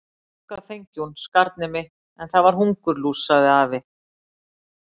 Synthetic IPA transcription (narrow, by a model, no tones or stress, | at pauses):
ukaðfejɲcunskaɾt̪̚nɪmɪ | ɛnθavaɾ̥ɦuŋkʏɾluːsaðɪaːvɪ